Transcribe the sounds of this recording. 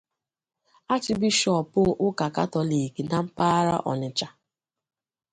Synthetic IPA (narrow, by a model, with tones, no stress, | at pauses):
a˦t͡ʃɪ˨bi˦ʃɔ˨pʊ˦ʔʊ˦ka˨ka˦tɔ˨li˨ki˨na˨m̩˦pa˦ɾa̰˦ʔɔ̰˨nɪ˨t͡ʃa˨